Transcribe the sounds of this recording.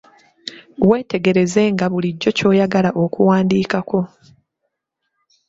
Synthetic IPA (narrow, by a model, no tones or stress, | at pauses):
we̞ːte̞ɡe̞ɾe̞ze̞ŋɡaβuliɟːo̞co̞ːjaɡalaʔo̞kuwaːndiːkako̞